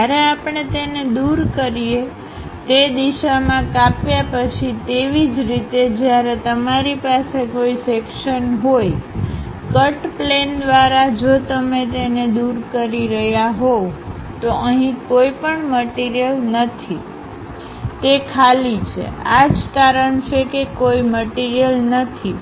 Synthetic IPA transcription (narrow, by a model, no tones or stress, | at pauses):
aɾeapɳ̃et̪ened̪uɾkəɾie | t̪ed̪iʃamãkapjapət͡ʃʰit̪eʋid͡ʒɾit̪ed͡ʒjaɾet̪əmaɾipasekoisekʃənɦoj | kəʈplend̪ʋaɾad͡ʒot̪əmet̪ened̪uɾkəɾiɾəɦjaɦoʋt̪oʔəɦĩkoipəɳməʈiɾijəlnət̪ʰi | t̪ekʰalit͡ʃʰḛad͡ʒkaɾəɳt͡ʃʰekekoiməʈiɾijəlnət̪ʰi